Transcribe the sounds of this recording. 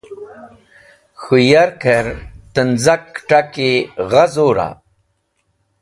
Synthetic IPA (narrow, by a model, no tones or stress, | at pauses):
xujaɾkʰɐɾt̪ənzɐkʈakiʁɐzoːɾa̰